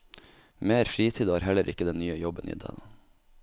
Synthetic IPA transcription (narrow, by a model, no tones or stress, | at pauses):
meːɾfɾiːt̪ʰiːd̪ɑːɾhɛləɾʔɪkəd̪ɛnnyːəjɔbənʔḭːd̪ɛ̰ːn